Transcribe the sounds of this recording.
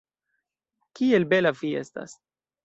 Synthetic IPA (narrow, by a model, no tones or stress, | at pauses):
kie̞lbe̞lavie̞sta̰s